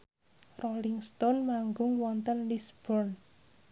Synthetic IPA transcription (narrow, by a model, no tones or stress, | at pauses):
rɔliŋst̪ɔnmaŋɡʊŋwɔnt̪ənlisb̥ɔrn